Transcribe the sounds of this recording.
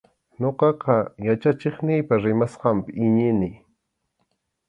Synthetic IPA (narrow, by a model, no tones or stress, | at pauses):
ɲoqɑqɑjat͡ʃat͡ʃɪχnɪjpaɾɪmasqɑmpɪɪɲɪnɪ